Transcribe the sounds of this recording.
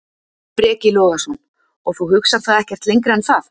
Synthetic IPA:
pɾɛːcɪlɔːɣasɔn | ɔɣθuhʏksaɾ̥θaðɛhcɛ̥t̪lejŋkɾaɛnθaθ

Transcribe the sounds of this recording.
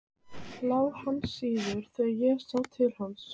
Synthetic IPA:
laːwhanːsiːðʏɾ̥θɛːɣaðjɛsawt̪ʰɪlhans

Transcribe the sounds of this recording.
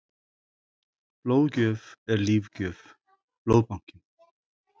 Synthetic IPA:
plowcœːvɛɾliːvcœːv | b̥loːwpawŋ̥cɪn

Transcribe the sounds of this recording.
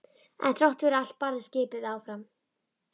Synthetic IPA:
ɛ̰nt̪ʰɾɔwht̪ɾal̥t̪̚paɾðɪscɪːpɪðaːwfɾam

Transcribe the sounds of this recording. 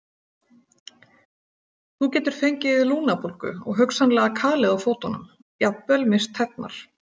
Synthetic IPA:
θucɛːt̪ʏɾ̥fejɲcɪɪðluːnapʰolkʏ̰ɔ̰ɣɦœksanlɛɣakʰaːlɪðawfoːwt̪ɔnʏ̰m | japvɛlmɪst̪ʰhɛp̪̚na̰ɾ̥

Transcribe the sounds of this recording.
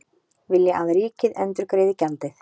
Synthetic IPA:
vɪljɛʔaðɾiːcɪðɛnt̪ʏɾkɾeːjðɪcant̪ɪθ

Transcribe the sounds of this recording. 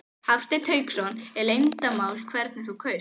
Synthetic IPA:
haft̪ɪt̪ʰœːɥksɔnɛɾlejnt̪amaːwlkʰvɛɾt̪̚nθukʰœ

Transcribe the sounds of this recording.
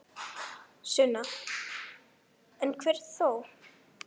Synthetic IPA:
sʏna | ɛ̃nkʰvɛɾ̥t̪θow

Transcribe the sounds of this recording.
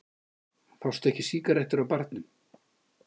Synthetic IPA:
θawst̪ɛhcɪsiːkaɾɛht̪ɪɾawpaɾt̪nʏm

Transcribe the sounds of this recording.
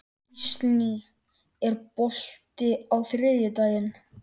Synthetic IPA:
sni | ɛɾpol̥t̪ɪawθɾɛːðjɪt̪aːjɪn

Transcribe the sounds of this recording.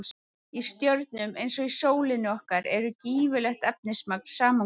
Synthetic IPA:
ist̪jœɾt̪̚nʏmejnsɔisoːwlɪnʏɔhkaɾɛɾʏciːvʏlɛxt̪ɛp̚nɪsmaknsaːma

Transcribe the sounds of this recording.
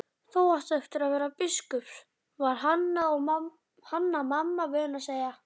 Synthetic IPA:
θowaht̪aɛft̪ɪɾaðvɛːɾapɪskʏps | vaɾ̥ɦanːaɔɣa | hanːamamːavɛːðʏnaseːjɣa

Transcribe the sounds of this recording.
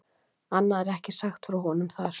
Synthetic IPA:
anːaðɛɾɛhcɪsaxt̪fɾawɦɔnʏmθaɾ̥

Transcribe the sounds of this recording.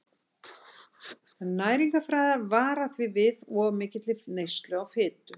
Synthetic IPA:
naːjɾiŋkafɾaːjðavaːɾaθvɪvɪðɔvmɪːcɪt̪lɪnejst̪lœɣawfɪːt̪ʏ

